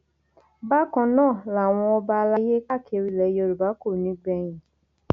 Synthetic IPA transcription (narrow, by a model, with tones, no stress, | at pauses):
ba˦kɔ̃˧nãː˦˨la˨w̃ɔ̃˧ɔ˧ba˧la˦je˦ka˦˨ke˨˧ɾi˧˨lɛ˨˦jo˧ɾu˨ba˨˦ko˦˨nĩ˨˦ɡ͡bɛ˧˦j̃ĩ˨